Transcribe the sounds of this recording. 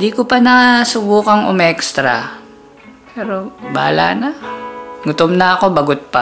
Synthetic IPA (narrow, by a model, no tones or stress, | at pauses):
d̪ikopɐnɐsʊbuːkɐŋʊ̰mɛkst̪ɾa̰ | pɛːɾoba̰ːla̰na | ŋʊt̪omnɐɐko̞bɐɡʊt̪̚pa